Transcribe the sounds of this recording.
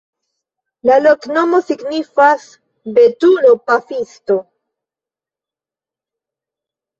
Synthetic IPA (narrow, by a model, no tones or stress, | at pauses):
lalo̞kno̞mo̞siɡnifas | be̞tuno̞pafisto̞